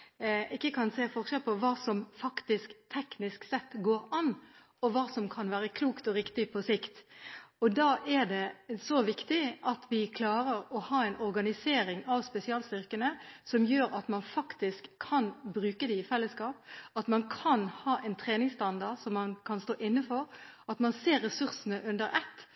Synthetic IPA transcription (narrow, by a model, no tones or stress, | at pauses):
ʔɪkːəkʰɑnseːfɔʁʂɛlpʰɔʋɑːsɔmfɑkt̪ɪskt̪ʰɛknɪsksɛt̪ːɡoːɾɑnː | ɔʋɑːsɔmkʰɑnʋæːɾəkʰluːkt̪ɔɾɪkt̪ɪpʰɔsɪkt̪ɔd̪ɑːʔɛɾd̪ɛsɔʋɪkt̪ɪʔɑt̪ʰʋɪkʰlɑːɾəɾɔhɑːɛɪnɔɾɡɑnɪseːɾɪŋɑʋspɛsɪɑːlst̪ʏʁkənəsɔmjøːɾɑt̪mɑnfɑkt̪ɪskʰːɑnbɾʉːkəd̪ɛɪfɛlːəskɑːp̚ɑt̪mɑnkʰɑnhɑːʔɛɪnt̪ʰɾeːnɪŋst̪ɑnd̪ɑsɔmːɑnkʰɑnst̪oːʔɪnːəfɔɾɑt̪mɑnseːɾːɛsʉɾsənəʔʉnd̪əɾɛt̪ː